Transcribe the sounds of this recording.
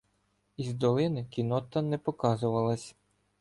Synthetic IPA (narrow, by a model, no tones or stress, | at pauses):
izd̪ɔlˠɪnɪkʲinɔt̪ɐnɛpɔkɑzʊʋɐlˠɐsʲ